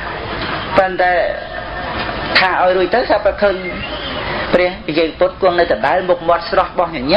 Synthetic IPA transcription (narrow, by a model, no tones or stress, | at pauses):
pənt̪aɛ | t̪ʰaːʔaɔjruəc̚t̪ɨwsapakʰəːɲ | prɛ̆əhpijeːŋpot̪̚kʊ̆əŋnɨwt̪əɗaɛlmuk̚mŏət̪̚srɑhɓɑhɲăɲɛ